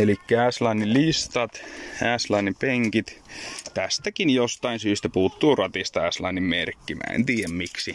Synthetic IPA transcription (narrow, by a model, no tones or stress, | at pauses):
elikːææslɑnːilist̪ɑt̪æslɑnːimpeŋkit̪t̪æst̪ækinjost̪ɑinsyːst̪æpuːt̪ːuːrɑt̪ist̪ɑæslɑnːimmerkːimæ̰ːḛnt̪iːjæmmiksi